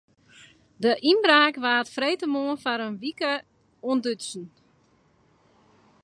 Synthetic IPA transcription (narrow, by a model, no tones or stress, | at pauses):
dəʔinbraːkʋaːtfrejtəmoənfaɾənʋikə | uəndøtsn̩